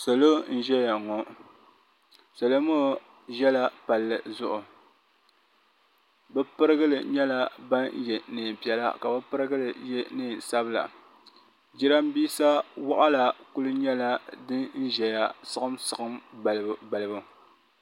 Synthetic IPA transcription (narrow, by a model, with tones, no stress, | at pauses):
so˨lo˦n̩˦ʒɛ˦ja˨ŋɔ˨ | so˨lo˦mo˦˨ | ʒɛ˦la˦pa˨lːɨ˨zʊ˦ʔʊ˨ | bɛ˦pɨ˦ɾɨ˦ɡɨ˦lɨ˨ɲɛ˦la˦ba˦n˦jɛ˨nɨː˨m˨pi˨ɛ˨la̰˦ka˨bɨ˦pɨ˦ɾɨ˦ɡɨ˦lɨ˨jɛ˦nɨː˦˨n˨sa˦bɨ˦la̰˨ | d͡ʒi˦ɾa˦m˦biː˦sa˦wa˦ʔa˦la˨ku˦lɨ˦ɲɛ˦la˦dɨ˦n̩˦ʒɛ˨ja˨sɨ˦ɣɨ˦msɨ˨ɣɨ˦mba˨lbba˨lɨ˨bʊ˨